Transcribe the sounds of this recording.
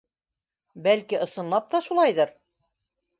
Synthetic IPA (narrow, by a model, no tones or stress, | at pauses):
bælkiʔɤ̆sɤ̆nlˠɑp̚t̪ɑʃulˠɑjðɤɾ